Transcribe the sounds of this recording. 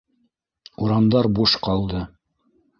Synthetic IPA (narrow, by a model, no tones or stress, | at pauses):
uɾɑnd̪ɑɾbuʃqɑlˠd̪ɤ